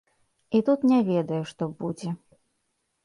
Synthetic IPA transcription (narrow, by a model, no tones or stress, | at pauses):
it̪ut̪nʲɛvʲɛd̪ɐjuʂt̪ɔbud͡zʲɛ